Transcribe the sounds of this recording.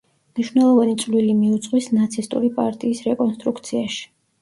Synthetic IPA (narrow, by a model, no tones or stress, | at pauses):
mniʃvnɛlˠɔvanit̪sʼlilimiut̪sʼqʼwisnat̪sʰist̪ʼṵɾipʼa̰ɾt̪ʼiːsɾɛkʼɔnst̪ʼɾukʰt̪sʰiaʃi̥